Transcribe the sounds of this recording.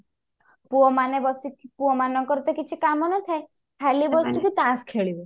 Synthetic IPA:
puɔmanebɔsipuɔmanɔŋkɔɾɔt̪ɔkit͡ʃʰikamɔnɔt̪ʰae | kʰalibɔsukut̪askʰeɭibɔ

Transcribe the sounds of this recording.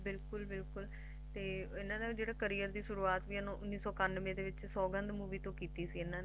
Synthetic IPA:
bɪlkʊlbɪlkʊl | t̪eːɪnãːd̪aːd͡ʒeːɽaːkəɾiːəɾd̪iːsʊɾuːaːt̪ʋiːɛnõːʔʊnːiːsɔːkanːʋẽːd̪eːʋɪt͡ʃsɔːɡənd̪muːʋiːt̪õːkiːt̪iːsiːɪnãː

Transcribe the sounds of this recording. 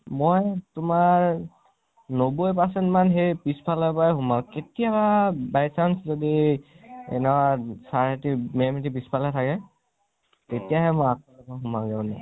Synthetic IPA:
mojtʊmaɹ | nobojp̬asɛntmanɦejpispʰalɔjpajɦumaketijababajsanszodi | ɛ̰nɛwasaɹtimemitipispʰalɛtʰakɛ | tetijaɦɛmɔjakɔlɔpaɦumaɡɛʊnɛ̰

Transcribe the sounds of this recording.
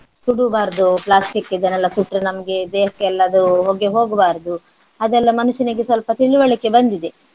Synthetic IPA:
suɽubaːɾd̪uplaːsʈikːed͡ʒɐnɛlːɐkuʈːɾɐnɐmɐɡe̞d̪eːɦɐkːɛlːɐːd̪uɦoɡeɦo̞ːɡbaːɾɐd̪u | ɐd̪ɛlːɐmɐnuʃjɐnɐɡesʋɐlpɐt̪iɭiʋɐɭikːe̞bɐnd̪id̪e

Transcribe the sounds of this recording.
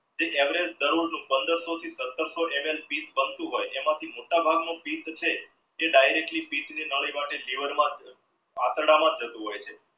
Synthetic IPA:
d͡ʒeʔɛʋɾed͡ʒd̪əɾuɭnũpənd̪əɾsot̪ʰisət̪ːəɾsoʔemelpit̪bənt̪ũɦojʔemãt̪ʰimoʈabʱaɡnõpit̪t͡ʃʰeː | ɖajɾek̚ʈlipit̪ninəɭəjmaʈeliʋəɾmãd͡ʒ | a̰t̪ɾɽamãd͡ʒət̪ũɦojt͡ʃʰe

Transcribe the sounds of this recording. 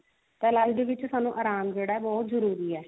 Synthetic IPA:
t̪ɛːlaɡd̪eːʋɪt͡ʃsaːnũːʔaːɾaːmd͡ʒeːɽaːɛːbɔːt̪zəɾuːɾiːɛː

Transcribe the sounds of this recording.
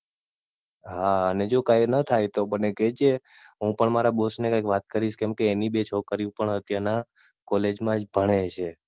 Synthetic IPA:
ɦaəned͡ʒokajnət̪ʰajt̪obəneked͡ʒe | ɦũpəɳmaɾabosnekãjkʋat̪̚kəɾiʃkɛmkeːnibet͡ʃʰokəɾjũpəɳɦət̪jana | kɔled͡ʒmãd͡ʒbʱəɽ̃et͡ʃʰe

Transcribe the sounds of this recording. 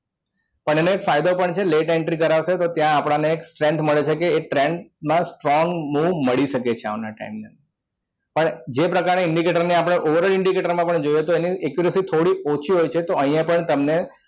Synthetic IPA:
pəɳeneːkfajd̪opəɳt͡ʃʰeleʈeɳʈɾikəɾaʋʃet̪ot̪jãapɽ̃aneːksʈɾɛ̃nt̪ʰməɭet͡ʃʰekeːʈɾɛɳɖmãsʈɾɔŋɡmuʋməɭiʃəket͡ʃʰea̰ʋnaʈa̰imne | pəɳd͡ʒepɾəkaɾneɪɳɖikeʈəɾniapɽ̃eʔoʋəɾəlɪɳɖikeʈəɾmãpəɳd͡ʒojet̪oeniɛkjuɾəsit̪ʰoɽiot͡ʃʰiɦojt͡ʃʰet̪oə̃ɦjãpəɳt̪əmne

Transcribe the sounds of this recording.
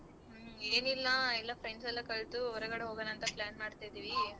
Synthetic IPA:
eːnilːɐɛlːɐpɾeɳɖsɐlːɐkɐɭt̪uɔɾɐɡɐɽeɦoɡɐnɐːnt̪ɐplaːnmaːɖt̪ajd̪iːʋi

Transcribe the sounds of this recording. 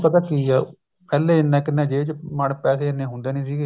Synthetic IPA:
pət̪aːkiːɛː | pɛːleːɪnːɛ̃ːkɪnːẽːd͡ʒeːt͡ʃmaɳpɛːseːɪnːẽːɦʊ̃nd̪eːnĩːsiːɡeː

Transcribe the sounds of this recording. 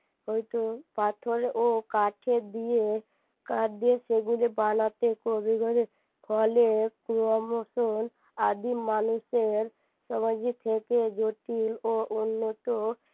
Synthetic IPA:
ɦojt̪opaʈʰoɾeʔokaʈʰed̪ije | kaʈd̪ieseɡulebanat̪ekobʱiɡɔɾe | kʰɔlekɾuɔmoson | ad̪imːanuseɾ | səməd͡ʒit̪ʰeked͡ʒoʈiloʔunːot̪o

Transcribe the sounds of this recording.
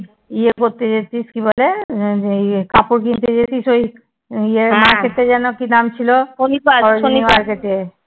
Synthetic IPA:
iekoɾt̪ed͡ʑetiskibole | kapuɾkint̪ed͡ʑet̪isoj | iemaɾkeʈːed͡ʑɛnokinamt͡ɕʰilooniaɔɾod͡ʑonimaɾkeʈe

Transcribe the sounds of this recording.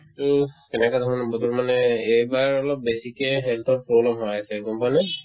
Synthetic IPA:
tokɛnɛkad̪ʱɔɹɔnbɔt̪ɔmanɛejbaɹɔlɔp̚besikɛɦɛlt̪ʰɔɹpɹoblamɦɔjasɛkɔmpanɛ

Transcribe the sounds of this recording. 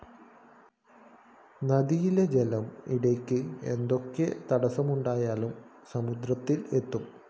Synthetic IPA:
nɐd̪ijiled͡ʑelɐmiɽɐjkʲːɨe̞̰nd̪o̞kːe̞t̪ɐɽɐsɐmuɳɖaːjaːlum | sɐmud̪ɾɐt̪ːile̞t̪ːum

